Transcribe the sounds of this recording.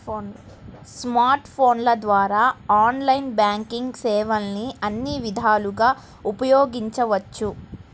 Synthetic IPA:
n | smaːɾʈpʰo̞ːnlɐd̪ʋaːɾaːaːnlɐjnbjaːŋkiŋɡsɛːʋɐlniɐnːiʋid̪ʱaːluɡaː | upɐjoːɡiɲt͡ʃɐʋɐt͡ʃːu

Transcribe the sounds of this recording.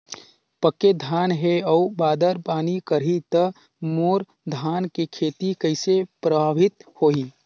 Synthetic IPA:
pəkːed̪ʱaːnɦeɔːbaːd̪əɾpaːnikəɾit̪ə | moːɾ | d̪ʱaːnkekʰeːt̪ikɐɪsepɾəbʱaːʋɪt̪hoːiː

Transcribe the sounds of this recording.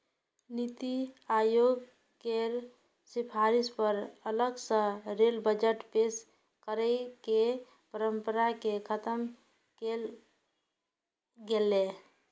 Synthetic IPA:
nit̪iajoɡ | keɾ | sipʰaɾispəɾələɡsə̃ɾelbəd͡ʒəʈpes | kəɾɛke | pəɾəmpəɾakekʰət̪əm | kel | ɡele

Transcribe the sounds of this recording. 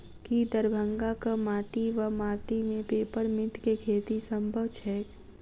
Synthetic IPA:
kid̪əɾbʱə̃ŋɡakamaːʈiʋamaːʈimẽpeːpəɾmɪt̪kekʰeːt̪isə̃mbʱəʋt͡ʃʰɛː

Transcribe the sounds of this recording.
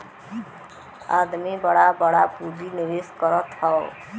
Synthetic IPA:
a̰d̪mibʌɽabʌɽapubiniɾeskʌɾʌt̪ʰːʌo

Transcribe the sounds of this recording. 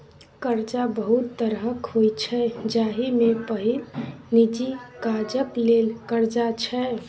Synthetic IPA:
kəɾd͡ʒabəɦut̪ːəɾɦəkɦojt͡ʃʰɛd͡ʒaɦimepəɦilnid͡ʒikad͡ʒəklelkəɾd͡ʒat͡ʃʰɛ

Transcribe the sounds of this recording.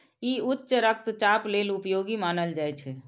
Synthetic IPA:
iutːʃəɾək̚t̪t͡ʃaplelupjoɡimanəld͡ʒajt͡ʃʰɛ

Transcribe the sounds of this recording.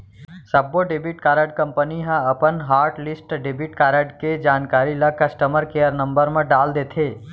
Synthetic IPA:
səbːoɖebiʈkaːɾəɖkə̃mpəniɦə̃əpənɦaːɾʈlisʈɖebiʈkaɾəɖked͡ʒaːnkaɾiləkəsʈəməɾkejəɾnə̃mbəɾmẽɖaːld̪et̪ʰe

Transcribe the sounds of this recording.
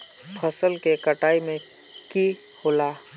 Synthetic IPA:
pʰəsəlkekəʈaːimẽ | ki | hoːlaː

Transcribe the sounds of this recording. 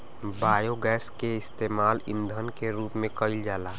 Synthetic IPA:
baːjoɡɛːskeɪst̪eːmaːlɪ̰̃nd̪ʱənkeɾuːpmẽkəɪld͡ʒaːlaː

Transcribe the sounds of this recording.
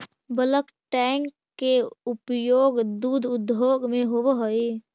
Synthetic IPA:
bələk | ʈɛŋkːeupjoːɡd̪uːd̪ʱʊd̪ʱoːɡmẽɦobɦoe

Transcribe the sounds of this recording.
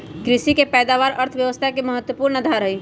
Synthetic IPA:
ɡɾɪsikepɛːd̪aʋaːɾəɾt̪ʰʋjəʋəst̪ʰakeməɦət̪wəpuːɾnəd̪ʱaɾɦəi

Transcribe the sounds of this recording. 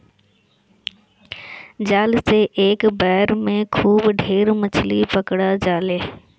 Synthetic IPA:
d͡ʑaːlseʔeːkbɛːɾmẽkʰuːbɖʱeːɾmɐt͡ɕʰlipɐkɽad͡ʑaːleː

